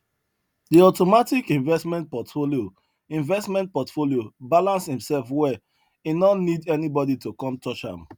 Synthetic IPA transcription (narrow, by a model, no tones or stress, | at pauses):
diɔtomatikĩɱvɛsmɛ̃nt̚pɔtfolio | ĩɱvɛsmɛ̃nt̚pɔtfoliobalãnshĩmsɛlfwɛ | inɔnidɛnibɔditokɔ̃mtʰɔt͡ʃã̰m